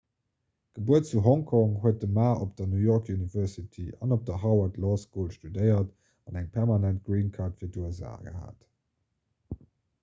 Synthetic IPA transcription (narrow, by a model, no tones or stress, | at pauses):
ɡ̥əbuətt͡suɦɔŋkʰɔŋhuət̚dəmaːʔopd̥ɐnujɔʁkʰjunivɜsitʰiɑ̰nop̚d̥ɐɦɑʊɐtlɔskuːlʃtudəɪɐt | ɑnæŋpʰɛʁmɑnænt̚ɡ̥ɹiːnkʰaːʁtfiːɐduɛza̰ːɡə̰ha̰ːt